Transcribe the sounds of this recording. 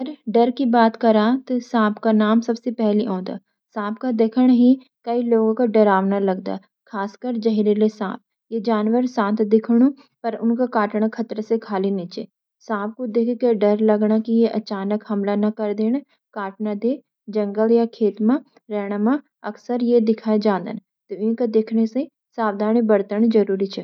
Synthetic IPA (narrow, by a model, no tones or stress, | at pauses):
ɐɾɖɐɾkibaːt̪kɐɾãt̪osãːpkanaːmsɐbsepɛɦliɦõːd̪a̰ː | sãːpkad̪eːkʰəɽ̃ɦi | kɐiloːɡõkaɖɐɾaːʋnalɐɡd̪a̰ː | kʰaːskəɾd͡ʒɐɦiɾelesãːp̚ | jed͡ʒaːnwəɾsãːt̪d̪ɪkʰɽ̃ũ | pɐɾʊnkakaːʈɽ̃akʰɐt̪ɾəsekʰaːliniːt͡ʃeː | sãːp̚kod̪eːkʰkeɖɐɾlɐɡɽakijeʔɐt͡ʃaːnəkɦɐmlanɐkɐɾd̪eːɽ̃a | kaːʈnad̪eː | d͡ʒɐ̃ŋɡəljakʰeːt̪mã | ɾɛːɦɽ̃amã | ɐksəɾjed̪ɪkʰaːed͡ʒãːd̪ə̰n | t̪oɪnkad̪eːkʰnese | saːbd̪ʱaːɽ̃ibɐɾt̪əɳ̃d͡ʒɐɾuːɾit͡ʃʰɛː